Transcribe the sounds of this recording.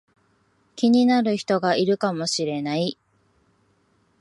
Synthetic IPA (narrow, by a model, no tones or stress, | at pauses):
kʲiɲ̟inaɾɯ̟çi̥t̪o̞ɡaiɾɯ̟kamo̞ɕiɾe̞nai